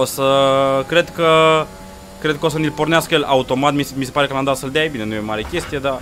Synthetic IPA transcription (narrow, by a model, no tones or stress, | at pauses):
osəkɾe̞d̪kə | kɾe̞d̪̚kəo̞sənilporneaskəjela̰ut̪o̞mat̪mismise̞paɾekəland̪alsəld̪eaebine̞nujemaɾekʲe̞st̪ije̞d̪a